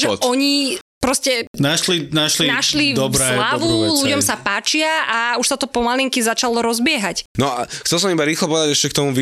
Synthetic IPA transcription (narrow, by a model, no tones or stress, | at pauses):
ʒɛɔɲipɾɔscɛnaʃlinaʃlinaʃlid̪ɔblaʋuluɟɔmsapaːt͡ʃɪaauʃsat̪ɔpɔmaliŋkizat͡ʃalɔɾɔzbɪɛɦacnɔaxt͡sɛls̬ɔmibaɾiːxlɔpɔʋɛd̪aɟɛʃcɛk̚t̪ɔmuʋi